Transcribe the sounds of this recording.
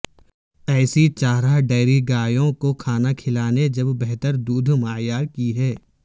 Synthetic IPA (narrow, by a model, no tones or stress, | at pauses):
ɛːsit͡ʃaːɦɾaɦɖɛːɾiɡaːjõkokʰaːnakʰɪlaːned͡ʒɐbːɛɦt̪əɾd̪uːd̪ʱmaːjaːɾkiɦɛː